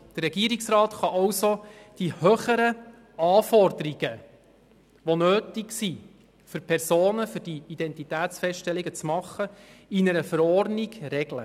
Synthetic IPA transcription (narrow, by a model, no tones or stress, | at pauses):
d̪̥ərɛɡiəɾiksrɑːt̪χɑʔɑwsod̥ihøːχəɾə | ɑːfɔrdəɾiɡ̥ə | ʋonøːtiksi | fʏɾpʰɛɾsoːnəfʏɾd̥iid̥̪ɛntitæːt̪sfɛstʃtɛliɡət͡smɑχːəinəɾəfəɾɔrdniɡ̥ɾɛɡlə